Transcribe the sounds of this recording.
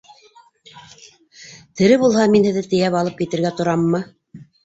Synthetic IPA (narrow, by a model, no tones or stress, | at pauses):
t̪ɘ̆ɾɘβulˠhɑminhɘ̆ðɘt̪ɘ̆jæpɑlˠɤp̚kit̪ɘ̆ɾɡæt̪ŏɾɑmːɤ